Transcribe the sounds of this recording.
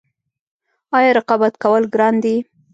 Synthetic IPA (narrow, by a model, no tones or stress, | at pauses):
ɑjɑɾɪqɑbat̪kawəlɡɾɑnd̪i